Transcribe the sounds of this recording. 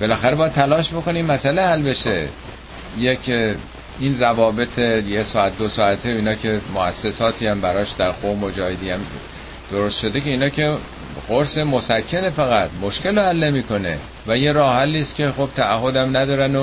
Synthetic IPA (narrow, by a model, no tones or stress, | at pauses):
b̥e̞læxæɾebɒːjæd̪t̪ʰælɒːʃbo̞ko̞nimːæsælehælbe̞ʃe̞ | jekʰ | inrævɒːbe̞t̪ʰejesɒːæt̪̚d̪osɒːæt̪ʰeinɒːkʰe̞moæ̰sːe̞sɒːt̪ʰiæmbæɾɒːʃd̪æɾqomod͡ʒɒːhed̪iæm | d̪̥oɾost̪ʃo̞d̪e̞ceiːnɒːkʰe̞ | ɡoɾse̞mosæcʰːe̞ne̞fæɣæt̪mo̞ʃkʰe̞lohælːe̞miːkʰo̞nḛ | væje̞ɾɒːhælːiːst̪kʲʰe̞xob̥̚t̪ʰæːhːo̞d̪æmnæd̪ɒːɾæno